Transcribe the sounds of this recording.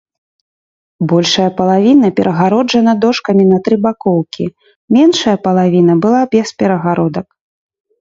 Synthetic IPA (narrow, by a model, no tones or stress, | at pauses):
bɔlʲʂɐjɐpɐlˠavʲinɐpʲɛɾʔɐɣaɾɔd͡ʐɐnɐd̪ɔʂkɐmʲinɐt̪ɾɨbakɔwkʲi | mʲɛnʂɐjɐpɐlˠavʲinɐbɨlˠabʲɛspʲɛɾɐɣaɾɔd̪ɐk